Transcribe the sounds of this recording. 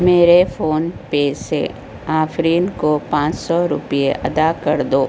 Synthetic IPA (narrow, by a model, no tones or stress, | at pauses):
meːɾefoːnpeːsḛ | aːfɾiːnkopãːt͡ʃsɔɾʊ̰pijeʔɐ̰d̪akɐɾd̪oː